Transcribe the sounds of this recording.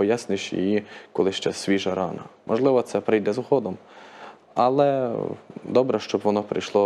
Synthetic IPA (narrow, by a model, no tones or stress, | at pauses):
pɔjasnʲɪʃʲjḭjikɔlˠɪʃt͡ʃɛsʲʋʲiʒɐɾɑnɐ̰mʔɔʒlˠɪʋɔt̪sɛpɾɪjd̪ɛzhɔd̪ɔm | ɐlˠɛ | d̪ɔbɾɛʃt͡ʃɔbʋɔnɔpɾɪ̰jʃlˠɔ